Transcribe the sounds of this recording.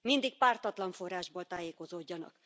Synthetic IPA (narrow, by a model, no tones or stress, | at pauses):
mind̪ik̚paːrt̪ɒt̪lɒɱfo̞rːaːʒboːlt̪aːjeːko̞zoːɟːɒnɒ̰k